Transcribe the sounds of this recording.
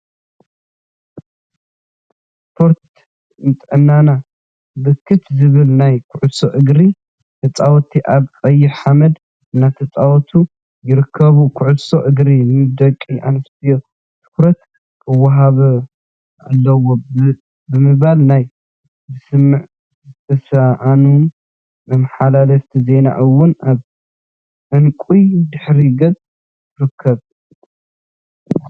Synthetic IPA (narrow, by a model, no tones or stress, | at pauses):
spʰo̞ɾt̪ | nt̪ʼʕɨnːana | bɨkʰːɨt̪zɨβɨlnajkʰʊʕusoʔɨɡɾi | t̪ʰɐt͡sʼawt̪ʰiʔaβkʼɐjːɪħħamɐd̪ | ɨnːat̪ʰɐt͡sʼawɔt̪ʰu | jɪɾɨkʰːɐβukʰʊʕʊso̞ʔɨɡɾinmɨd̪ɐkʼːiʔa̰nɐst̪ʰɨjo̞ | t̪ʰɨ̥kɾɐt̪ | kʰʼɨwːɐɦaβɐ | a̰lːɐwo | bɨmɨβalnaj | zɨsɨmːɨʕ | zt̪ʰɐsaʔanum | nɐmaħalalɐft̪ʰize̞na̰ʔɨwʊnʔaβ | ʕɨnkʼujd̪ɨħɾiɡɐt͡sʼ | tɨɾɨkʰːɐβ